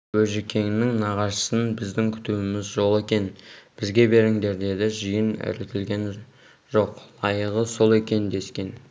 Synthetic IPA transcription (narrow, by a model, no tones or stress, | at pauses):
wɵʒekʲʰe̞ŋɪnɪŋnɑʁɑʃə̥sənbɪzd̪ɪŋkʲʰʏ̥t̪uɪmɪzʒo̞lˠe̞kʲe̞nb̥ɪzɡʲe̞be̞ɾɪŋd̪e̞ɾd̪e̞d̪ɪʒijənæ̰ɾɪt̪ʲɪlɡʲe̞n | ʒo̞qlˠɑjəʁəso̞lˠe̞kʲe̞nd̪e̞skʲe̞n